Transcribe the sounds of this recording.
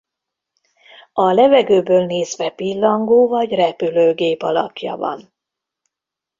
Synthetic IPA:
ɒlɛvɛɡøːbøːlneːzvɛpilːɒŋɡoːvɒɟrɛpyløːɡeːpɒlɒ̰kjɒ̰vɒ̰n

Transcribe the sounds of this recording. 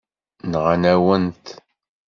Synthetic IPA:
nʁanæwənt̪

